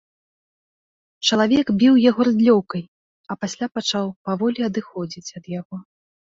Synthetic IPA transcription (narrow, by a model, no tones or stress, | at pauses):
t͡ʂɐlˠavʲɛkbʲiwjaɣɔɾɨd̪lʲɔwkɐj | ɐpasʲlʲapat͡ʂawpavɔlʲiɐd̪ɨxɔd͡zʲit͡sʲɐd̪jaɣɔ